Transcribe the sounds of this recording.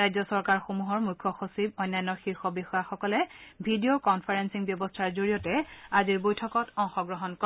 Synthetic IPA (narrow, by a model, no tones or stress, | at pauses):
ajzɔsɔɹkaɹxomuɦɔɹmujkʰːɔxosibɔjnːajnːɔxixɔbixɔjaxɔkɔlɛbʱidiokɔnpʰaɹensiŋbjɔbɔstʰaɹzoɹijɔtɛaziɹbojtʰɔkɔtɔŋxɔɡɹɔɦɔnkɔ